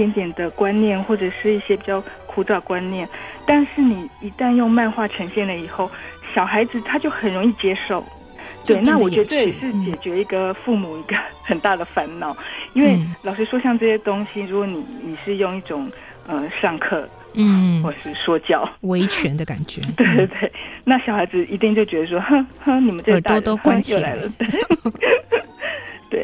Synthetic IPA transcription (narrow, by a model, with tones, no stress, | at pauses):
t̪jɛ˧˥nt̪jɛ˨˩nd̪ə˦kwa˥nnjɛ˥˩nxwɔ˥˩ʈ͡ʂɤ˨˩ʂɻ̩˥˧i˥˩ɕjɛ˥pi˨˩t͡ɕjɑ˥˩ʊ | kʰu˥t͡sɑ˥˩d̪ə˩kwa˦˥nnjɛ˥˩nt̪a˥˧nʂɻ̩˥˩ni˨˩i˧˥t̪a˥˧njʊ˥˧ŋma˥˧nxwa˥˩ʈ͡ʂʰɤ˧˥ŋɕjɛ˥˩nlə˩i˨˩xo˥˩ʊɕjɑ˨˩ʊxa˧˥ɪd͡zɹ̩˧t̪ʰa˥t͡ɕjo˥˩ʊxə˨˩nɻʊ˧˥ŋi˥˩t͡ɕjɛ˥ʂo˥˩ʊ | t̪we˥˩ɪna˥˩wɔ˨˩t͡ɕɥɛ˧˥ət͡se˥˩ɛ˨˩ʂɻ̩˥˩t͡ɕjɛ˨˩t͡ɕɥɛ˧˥i˧˥ɡə˧fu˥˩mu˨˩i˧˥ɡə˧xə˨˩nt̪a˥˩d̪ə˩fa˧˥nnɑ˨˧˥ʊi˥nwe˥˩ɪlɑ˨˩ʊʂɻ̩˥ʂwɔ˥ɕjɑ˥˧ŋʈ͡ʂɤ˥˩ɕjɛ˥t̪ʊ˥ŋɕi˨ɻu˧˥kwɔ˧˥ni˨˩ni˨˩ʂɻ̩˥˧jʊ˥˧ŋi˥˩ʈ͡ʂʊ˨˩˦ŋ | ə˧˩ʂɑ˥˧ŋkʰɤ˥˩ | xwɔ˥˩˨ʂɻ̩˥˩ʂwɔ˥t͡ɕjɑ˥˩ʊwe˧˥ɪt͡ɕʰɥɛ˧˥nd̪ə˧ka̰˨˩nt͡ɕɛ̰˧˦t̪we˥˩ɪt̪we˥˩ɪna˥˩ɕjɑ˨˩ʊxa˧˥ɪd͡zɹ̩˧i˧˥t̪i˥˧ŋt͡ɕjo˥˩ʊt͡ɕɥɛ˧˥d̪ə˧ʂwɔ˥xə˥˩xə˥ni˨˩mə˨˦nʈ͡ʂt̪t̪o˥xəa˥jo˥˩ʊla˧˥ɪlə˧t̪we˥˩ɪ | t̪we˥˩ɪ